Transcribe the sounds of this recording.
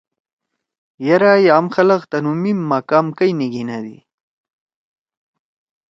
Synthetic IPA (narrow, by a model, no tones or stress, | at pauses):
jaɾajaːmxɐlɐqt̪ɐnumimːaːkaːmkajniɡinad̪ḭ